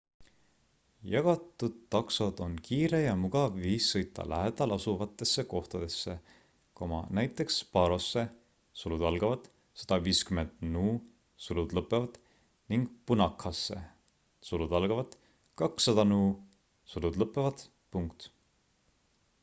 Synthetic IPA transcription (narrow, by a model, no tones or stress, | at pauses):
jɑɡ̥ɑt̪ːˑud̪̥̚t̪ːɑksɑd̪̥o̞nkiːɾe̞jɑmuɡ̥ɑvːiːsːɤjt̪ːˑɑ̰lʔæɦed̪̥ɑlɑsuvɑt̪ːˑe̞sːeko̞ht̪ɑd̪̥e̞sːe | ko̞mɑ̰næjt̪ːˑe̞kspɑɾo̞sːe̞ | sulud̪̥ɑlɡ̥ɑvɑd̪̥ | sɑ̥d̪̥ɑviːskymend̪̥nuː | sulud̪lɤpːˑe̞vɑd̪̥ | niŋɡ̥punɑkhɑsːe̞̰ | sulud̪̥ɑlɡ̥ɑvɑd̪̥ | kɑksːɑd̪̥ɑnuː | sulud̪̥lɤpːˑevɑd̪̥ | puŋkt̪